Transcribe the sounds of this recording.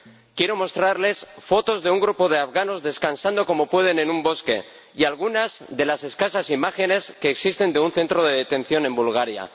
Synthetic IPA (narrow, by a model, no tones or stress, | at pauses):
kjeɾo̞mo̞st̪ɾaɾle̞sfo̞t̪o̞zðeuŋɡɾupo̞ðe̞afɣano̞zðe̞skansand̪o̞ko̞mo̞pwe̞ð̞e̞ne̞nũmbo̞ske̞̰ | ialɣ̞unazðe̞lase̞skasasimaxe̞ne̞ske̞ːksist̪e̞nd̪eunθe̞nt̪ɾo̞ð̞e̞ðet̪ẽ̞n̟θjo̞nẽ̞mbulɣ̞aɾja̰